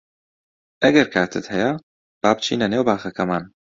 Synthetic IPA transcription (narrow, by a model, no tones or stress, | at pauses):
ʔɐɡɐɾkʰaːt̪ʰɨt̪hɛjɐ | b̥aːb̚t͡ʃʰḭːnɐneːwbaːxɐkʰɐmaːn